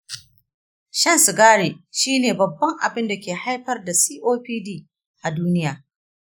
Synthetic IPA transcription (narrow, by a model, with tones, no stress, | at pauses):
ʃɐ˦nsʊ˨ɡaː˦ɽeː˨ʃiː˦neː˨bɐ˨bːɐ˦ŋʔa̰˨bɪ˦nda˨kʲeː˨ha˦jɸɐ˦rda˨siː˦ʔoː˦ɸiː˦diː˦˨ | ʔa˨duː˦nɪ˦jaː˨